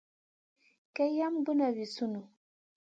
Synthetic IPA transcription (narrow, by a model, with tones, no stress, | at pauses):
ke˦ja˦mbu˦na˨vi˨su˦nu˨